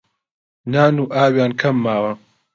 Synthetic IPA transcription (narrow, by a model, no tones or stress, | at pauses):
naːnuːʔaːwjaːnkʰɐmːaːwɐ